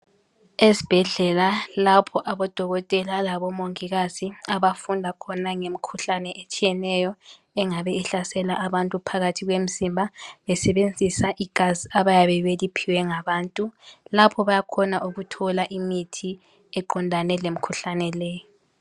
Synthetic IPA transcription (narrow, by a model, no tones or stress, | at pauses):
esi̥b̥ʱɛɮɛlalapʰɔʔaβɔd̥ʱɔɣɔtʼɛlalaβɔmoŋiɣaziaβafundʱakʰɔnaŋemikʰuɬanɛʔet͡ʃʼijɛnɛjɔ | ɛŋaβɛɛɬasɛlaʔaβantʼupʰaɣatʰiɣwem̩simbʱaβɛsɛβend͡zʱisaʔiɡ̥ʱaziaβajaβɛβelipʰiwɛŋaβaːntʼulapʰɔβajakʰɔnaʔuɣutʰɔlaʔimitʰi | ɛǃɔndʱanɛlem̩kʰuɬanɛlɛːjɔ